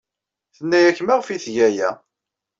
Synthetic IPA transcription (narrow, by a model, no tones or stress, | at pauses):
θənːæjæçːmæʁfiθʝæjæ̰